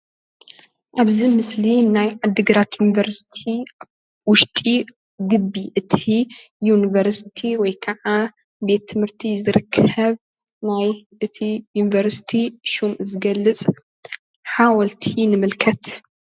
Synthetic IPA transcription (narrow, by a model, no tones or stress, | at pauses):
ʔaβzimɨslinajʕad̪ːɨɡɐɾat̪junivɐɾsi̥t̪ʰi | wʊʃt̪ʼi | ɡɨbiʔɨt̪ʰi | junivɐɾsi̥t̪ʰiwɔjkʰɐʕa | be̞t̪ʰːɨmɨɾt̪ʰizɨɾɨkʰɐβ | najʔɨt̪ʰijunivɐɾsi̥t̪ʰiʃumʔzɨɡɐlːɨt͡sʼ | ħawɔlt̪ʰinɨmɨlkʰɐt̪